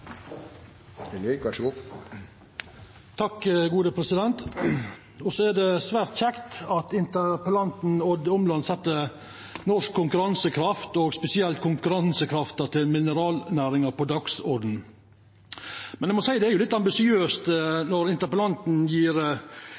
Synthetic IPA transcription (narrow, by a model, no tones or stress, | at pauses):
lʋɑʂəɡu | t̪ʰɑkɡuːd̪əpʰɾɛsɪd̪ɛnt̪ | ɔsɔæd̪ɛsʋæːɾt̪çɛkt̪ɑt̪ɪnt̪əɾpəlɑnt̪n̩ɔd̪ɔmlɑnsɛt̪ːə | nɔʂkʰːʊŋkʉɾɑnsəkʰɾɑft̪ɔɡspɛsɪɛlt̪̚kʰʊŋkʉɾɑnsəkʰɾɑft̪ət̪ʰɪlmɪnəɾɑːlnæːɾɪŋəɾpɔd̪ɑksɔɾd̪n̩ | mɛnæɪmɔsæɪd̪ɛæɾjʊlɪt̪ːɑmbɪsɪøːst̪nɔɾɪnt̪əɾpəlɑnt̪n̩jiːɾ